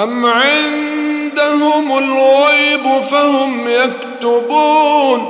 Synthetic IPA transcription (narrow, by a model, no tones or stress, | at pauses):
ʔamʕɪnd̪ahʊmalɣɑjbʊfahʊmjakt̪ʊbuːn